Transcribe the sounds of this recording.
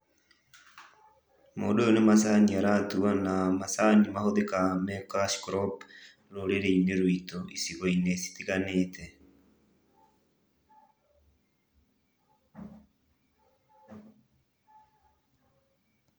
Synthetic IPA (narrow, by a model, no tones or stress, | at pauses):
modoonemas̬aniaɾatuanamasanimahoðekamɛklaʃkɾɔp | ɾoɾeɾeineɾwitoʔisiɣɔinesi̥tiɣanetʰɛ